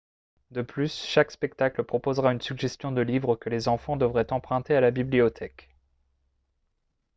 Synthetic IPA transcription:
d̪əplysʃakspɛk̚t̪akləpχɔpozʁaynsyɡʒɛst̪jɔ̃d̪əlivʁəkəlezɑ̃fɑ̃d̪əvʁɛt̪ɑ̃pχɛ̃t̪ealabibliɔt̪ʰɛk

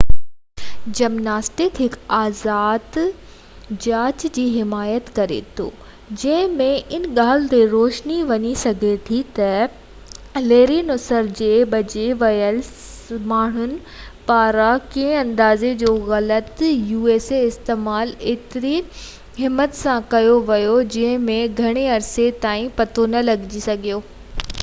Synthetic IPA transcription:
d͡ʑɐmnaːsʈɪkɦɪkaːzaːd̪ | d͡ʑaːt͡ɕd͡ʑiːɦɪmaːjət̪kɐɾḛt̪ʰo̰ː | d͡ʑɐ̃ɦɪ̃mẽʔɪnɠaːlt̪eɾoːʃniʋɐɲisɐɡʱet̪ʰit̪ɐ | leːɾinʊsəɾd͡ʑeːbɐd͡ʑeʋɐjəl | maːɳ̤ʊnɪ̆ | paːɾakẽɪ̃ɐ̃nd̪aːzed͡ʑoːɣɐlət̪juːeːseɪst̪eːmaːleːt̪ɪɾi | ɦɪmːət̪sãkɐjoʋɐjod͡ʑɐ̃ɦɪ̃mẽɡʱɐɽ̃eɐɾset̪aːĩpɐt̪ʰonɐlɐɡd͡ʑisɐɡʱijoː

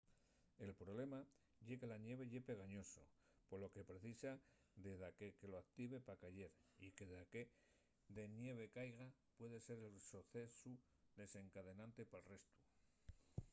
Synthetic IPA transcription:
e̞lpɾo̞βle̞ma | ʝe̞ke̞lanjeβ̞e̞ʎe̞pe̞ɣ̞aɲo̞so̞̰ | po̞lo̞ke̞pɾe̞θisa | ðe̞ðakeke̞lo̞akt̪iβ̞e̞pakaʝe̞ɾikeðake | ðe̞nje̞β̞e̞kajɣapwe̞ðe̞se̞ɾe̞lsoθe̞su | ðe̞se̞ŋkaðe̞nãnt̪e̞paelre̞st̪u

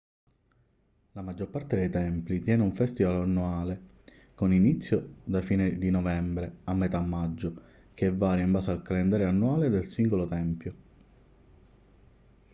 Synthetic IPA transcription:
lamad͡ʒːorpart̪ed̪ejt̪ɛmplit̪jɛːnuɱfɛst̪ivalanːuaːle | koninit̪sːjod̪afiːned̪inɔvɛmbɾeamːet̪amːad͡ʒːo | keɛvːaːɾjaimbaːsealkalend̪aːɾjeanːuaːled̪elsiŋɡolot̪ɛmpjo

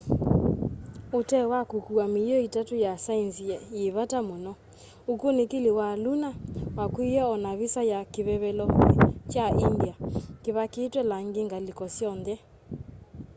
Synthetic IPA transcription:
otɛwakokuamejɔitatojasainsiɛjeβatamonɔ | okonekelewalunawakwijɛɔnaβisajakeβɛβɛlɔt͡ʃaʔindiakeβakeːtwɛlaŋɡeŋɡalikɔsjɔnðɛ

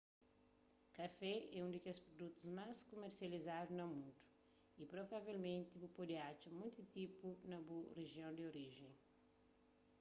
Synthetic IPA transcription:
kɐfɛɛũd̪ɪkospɾod̪ut̪uzmaskomeɾsjɐlizad̪uznɐmũnt̪u̥ | ipɾovavelmẽnt̪ibupod̪eat͡ʃumũj̃t̪t̪ipunɐbureʒjõnd̪ɪoɾiʒẽŋ̃

